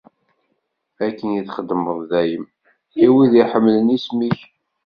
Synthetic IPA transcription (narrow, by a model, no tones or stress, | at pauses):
ækːənjiθχəd̪ːməðˤðæjəm | iwiðiħəmːlənismiç